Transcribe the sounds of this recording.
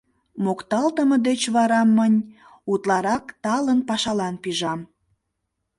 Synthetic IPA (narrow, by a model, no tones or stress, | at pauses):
mokt̪ɑlt̪əməd̪et͡ɕβɑɾɑmːənʲ | ut̪lɑɾɑkt̪ɑlənpɑʃɑlɑnpiʒɑm